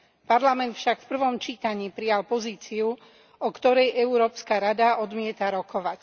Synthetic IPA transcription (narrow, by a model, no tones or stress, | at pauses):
paɾlamɛnt̪fʃakfpr̩ʋɔmt͡ʃiːt̪aɲiːpɾijalpɔziːt͡siu | ɔkt̪ɔɾɛjɛuɾɔːpskaɾad̪aɔd̪mɪɛt̪aɾɔkɔʋac